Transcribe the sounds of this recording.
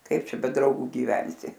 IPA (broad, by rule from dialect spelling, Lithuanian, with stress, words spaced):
ˈkɐɪp ˈt͡ʃʲɛ bʲɛ ˈdrɐʊɡʊ ɡʲɪˈʋʲɛnʲsʲɪ